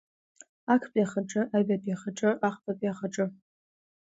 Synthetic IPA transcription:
akʷʰpʼjaχaʈ͡ʂʼɨʔabapʼaχaʈ͡ʂʼɨʔaχpʰʼapʼjaχaʈ͡ʂʼɨ

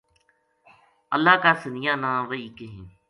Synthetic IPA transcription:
ə̰lːaːkaːsənɪjãːnãːʋəiːkeɦĩː

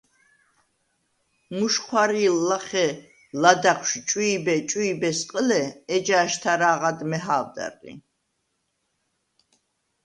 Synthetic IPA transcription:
muʃχʰwaɾilːaχɛ | lad̪aχʰʃt͡ʃʼiːbɛt͡ʃʼuːbɛsqʼəlɛɛd͡ʒaːʃt̪ʰaɾaːʁad̪mɛɦaːvd̪a̰ɾḭ

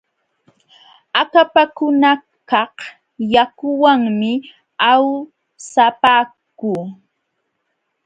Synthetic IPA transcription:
akapakʊna | kɑh | jakʊwaŋmɪ | aw | sapaːkuː

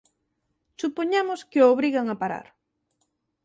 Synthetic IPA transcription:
supoɲamʊskɪooːβɾiɣaŋapaɾa̰ɾ

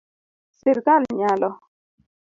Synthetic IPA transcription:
siɾkalɲalɔ

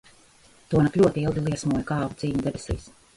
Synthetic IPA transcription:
t̪uɔnaklʲuɔt̪iilˠɡ̪ilˠiɛsmuɔjkɑːvut̪siːɲʲud̪ebʲesḭːs

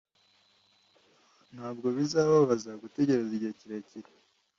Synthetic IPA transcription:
n̥haːbɡo̞βizaːβaβazaɡute̞ɟe̞ɾeziɟeciɾeciɾi

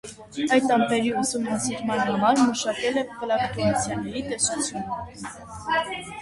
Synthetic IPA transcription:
ɑjt̪ɑmpɛɾiusumnɑsiɾmɑnhɑmɑɾməʃɑkɛlɛvəlɑbət̪umɑt͡sʰjɑnɛɾit̪ɛsut͡sʰjunə

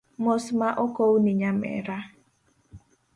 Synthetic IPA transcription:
mosmaʔɔkowniɲamɛ̰ɾa

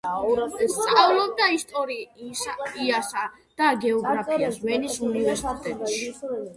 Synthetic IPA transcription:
st̪sʼavlˠɔb̚d̪aist̪ʼɔɾi | iasa | d̪̥aɡɛɔɡɾapʰiazwɛnisunivɛɾsit̪ʼɛt̪ʼʃi̥

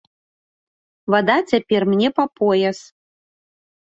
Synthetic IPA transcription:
vad̪at͡sʲapʲɛrmnʲɛpɐpʰɔjɛs

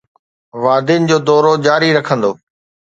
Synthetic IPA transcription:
ʋaːd̪ɪnɪ̆d͡ʑoːd̪ɔːɾod͡ʑaːɾiɾɐkʰə̃nd̪oː

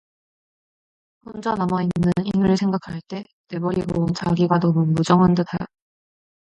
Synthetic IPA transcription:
hond͡ʑʌnamainːɯninɯɭsʰe̞ŋɡakʰaɭt͈e̞ | ne̞bʌɾiɡot͡ɕaɡiɡanʌmumud͡ʑʌŋɯntɯtʰajo̰

